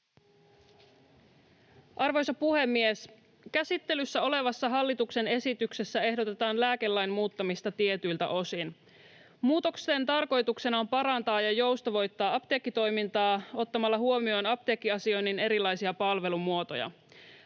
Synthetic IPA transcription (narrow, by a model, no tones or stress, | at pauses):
ʔɑrʋo̞jsɑpuhe̞mːies | kæsit̪ːelysːæo̞le̞ʋɑsːɑɦɑlːit̪ukse̞ne̞sit̪ykse̞sːæe̞ɦdo̞t̪e̞t̪ɑːnlæːke̞lːæjnmuːt̪ːɑmist̪ɑt̪ie̞t̪yjlt̪æ̰ʔo̞sin | muːt̪o̞kse̞nt̪ɑrko̞jt̪uksenɑo̞mpɑɾɑnt̪ɑːjɑjo̞wst̪ɑʋo̞jt̪ːɑːɑpt̪eːkːit̪o̞jmint̪ɑːo̞t̪ːɑmɑlːɑɦuo̞mio̞ːnɑp̚t̪e̞ːkːiɑsio̞jnːine̞ɾilːɑjsiɑpɑlʋe̞lumuo̞t̪o̞̰jɑ̰